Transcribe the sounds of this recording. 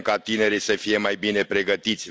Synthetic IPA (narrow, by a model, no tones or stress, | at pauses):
kat̪ine̞ɾijsəfije̞majbine̞pɾe̞ɡət̪it̪sʲ